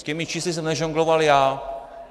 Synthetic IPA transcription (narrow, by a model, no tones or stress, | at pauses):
cɛmit͡ʃiːslis̬ɛmnɛʒoŋɡlovaljaː